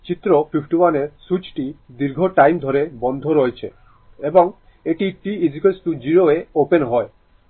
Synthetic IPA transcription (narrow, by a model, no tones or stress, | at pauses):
t͡ɕit̪ːɾopʰipʰʈiwaneɾsut͡ɕʈid̪iɾɡʱoʈajmd̪ʱoɾebɔnd̪ʱoɾɔet͡ɕʰḛ | eboŋ | eʈiʈiizikelsʈud͡ʑiɾoeopenɦɔe